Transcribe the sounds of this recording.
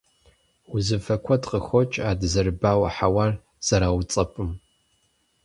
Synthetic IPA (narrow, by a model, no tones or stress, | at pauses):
ʊzɨfɐkʷʰɔtqəxʷɔt͡ʃʼaːdɨzɐrbaːwɐ̰ħawar | z̥ɐɾaːwt͡sʼɐpʼɨm